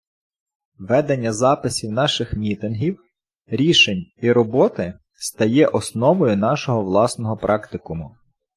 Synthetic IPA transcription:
ʋɛd̪enʲːɐzɑpɪsʲiwnɑʃɪxmʲit̪ɪnɦʲiw | ɾʲiʃenʲiɾɔbɔt̪ɪ | st̪ɐjɛʔɔsnɔʋɔjʊn̪ɑʃɔɦɔʋlˠɑsnɔɦɔpɾʔɑkt̪ɪkʊmʊ

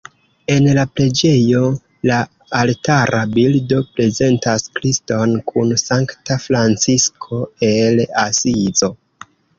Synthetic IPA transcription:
e̞nlapɾe̞d͡ʒe̞jo̞ | laː | ltaɾʔabildo̞pɾe̞ze̞ntaskɾisto̞nkʰunsaŋktafɾant͡siskʰo̞e̞lasizo̞

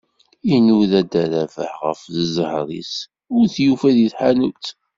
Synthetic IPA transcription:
inuðæd̪æɾævə̰ħʁə̰fðəzhɾˤḭs | ʊɾθjufæðiθħanut̪

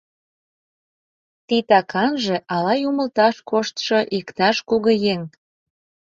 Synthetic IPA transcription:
t̪it̪ɑkʰɑnʒeʔɑlɑjuməlt̪ɑʃkoʃt̪ʃoʔikt̪ɑʃkuɣŏjeŋ

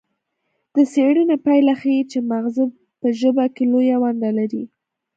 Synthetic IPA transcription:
d̪̥əseɽinapajlaxajit͡ʃemaɣzɪb̚ | pəʒəbakelojawand̪alaɾi

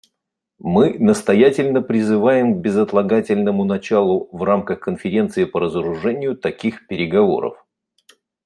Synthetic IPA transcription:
mɨnəst̪ɐjætʲɪlʲnəpɾʲɪzɨvajɪmɡ̚bʲɪzət̪lˠɐɡatʲɪlʲnəmʊnɐt͡ɕalˠʊvramkəxkənfʲɪɾʲe̞nt̪sɨɪpəɾəzəɾʊʐɛnʲɪjʊt̪ɐkʲixpʲɪɾʲɪɡɐvo̞̰ɾə̰f

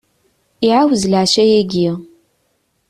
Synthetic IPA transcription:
iʕawəzlaʕʃæjæɡi

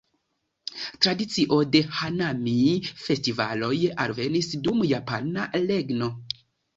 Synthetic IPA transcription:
tɾadit͡siʔo̞de̞hanamife̞stiva̰lo̞jalve̞nisdumjapanale̞ɡno̞

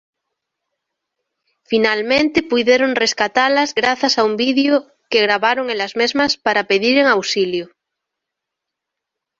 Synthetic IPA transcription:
finalmẽnt̪epujðjeɾonreskat̪alazɣɾaθasaumbiðjo | keɣɾaβaɾoŋelazmezmaspaɾapeðiɾeŋawsiljo

